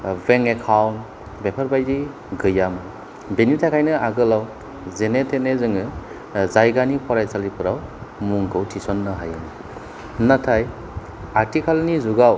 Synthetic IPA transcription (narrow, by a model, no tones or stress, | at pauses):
veŋekʰawn | bepʰaɾbajdi | ɡɯjamɯ | benitʰakʰajnɯaɡɯlaw | zenetʰenezɯŋɯ | zajɡanipʰɔɾajsalipʰɯɾawmuŋɡʰɯwtʰisɔnːɯɦajɯnɯ | natʰaj | aɾtikʰalnizuɡaw